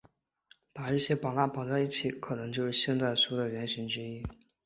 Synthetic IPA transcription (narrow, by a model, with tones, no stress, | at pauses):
pa˨˩i˥˩ɕjɛ˥pa˨˩la˥˩pɑ˨˩ʊt͡sa˥˧ɪi˥˩t͡ɕʰi˨˧˥kʰɤ˨˩nɤ˧˥ŋt͡ɕjo˥˧ʊʂɻ̩˥˧ɕjɛ˥˧nt͡sa˥˩ɪʂu˥d̪ə˨˩ɥɛ˧˥nɕi˧˥ŋʈ͡ʂɻ̩˥i˥